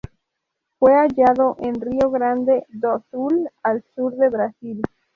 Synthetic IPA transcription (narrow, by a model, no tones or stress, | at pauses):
fweaʝaðoʔenrioɣɾand̪ed̪osulalsuɾðeβɾasil